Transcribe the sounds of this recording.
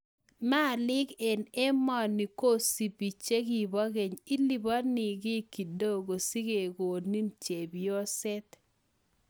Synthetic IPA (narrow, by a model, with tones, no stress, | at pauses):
ma˦˨lɪ˦kɛ˨nɛ˦mɔ˨ni˨ko˦si˨pi˨t͡ʃe˦ɡi˨bɔ˦ɡe˨ɲi˦li˦bɔ˦nɪ˨ɡɪ˦ki˨do˦˨ɡo˨si˦ke˨ɡo˨ni˦nt͡ʃe˨bi˨o˦sɛ˦t̪